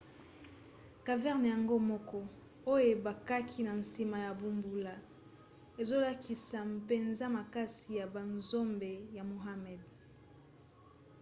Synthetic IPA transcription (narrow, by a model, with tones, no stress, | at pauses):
ka˨vɛ˦ʁn˨ja˨ŋɡo˦mɔ˦kɔ˦ | o˦je˨ba˨ka˦kʰi˦na˨n˨si˨ma˨ja˨bu˨mbu˨la˨ | e˨zo˦la˦ki˨sa˨m˨pe˨nza˦ma˨ka˦si˨ja˨ba˨nzo˦mbe˨ja˨mo˨ɦa˦mɛ˨d